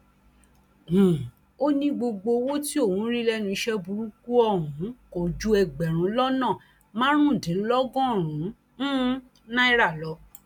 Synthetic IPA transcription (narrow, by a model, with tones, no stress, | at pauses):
h̩˨ | o˦nĩ˦ɡ͡bo˧ɡ͡bo˧wo˦ti˦o˦˨wũ˨˦ɾĩ˦lɛ˦nũ˧i˧ʃɛ˦bu˧ɾu˦ku˦ɔ˦˨ɾũ˨˦ko˨d͡ʒu˦ɛ˧˨ɡ͡bɛ˨ɾ̃ũ˨˧˦lɔ˦nãː˦˨ | mãː˦ɾ̃ũ˦˨dẽ˨˦lɔ˦ɡɔ̃˦˨ɾ̃ũ˨˦ | nã˦i˦ɾa˦˨lɔ˨˦